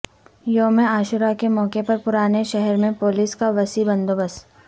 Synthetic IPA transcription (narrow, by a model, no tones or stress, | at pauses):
joːmẽaːʃʊɾakemɔːkepɐɾpʊɾaːneʃɛɦɛɾmẽpoːlɪskaʋɐsibɐ̃nd̪oːbəs